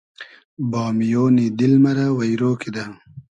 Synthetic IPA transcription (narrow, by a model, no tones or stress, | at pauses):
bɑːmijoːnid̪ilmɐɾawɐjɾoːkid̪a